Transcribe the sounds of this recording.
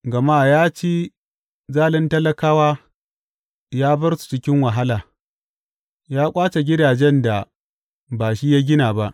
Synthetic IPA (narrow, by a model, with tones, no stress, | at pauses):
ɡɐ˨maː˦˨jaː˦t͡ʃeː˦ | zaː˦lɛ˦ntɐ˦lɐ˦kaː˦waː˦ | jaː˦bɐ˦rsu̥˨t͡ʃɪ˦kʲɪ˦ŋwɐ˨ɦa˦laː˨ | jaː˦kʷʼaː˦t͡ʃe˨ɡʲɪ˦daː˨d͡ʒɛ˦nda˨ | baː˨ʃi˦ja˦ɡʲɪ˦naː˨ba˦ʔ